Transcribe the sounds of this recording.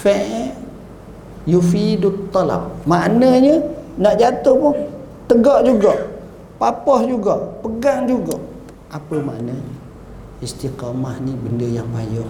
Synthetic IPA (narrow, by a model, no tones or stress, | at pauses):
fɛʔ | jufidʊt̪ːɔla̰p̚maʔnəɲənaʔd͡ʒat̪ʊhpʊn | t̪əɡɔʔd͡ʒuɡɔʔ | papɔhd͡ʒuɡɔʔpəɡaŋd͡ʒuɡɔʔ | ʔapəma̰ʔnə | ist̪iqamahnibəndəjaŋba̰jɔ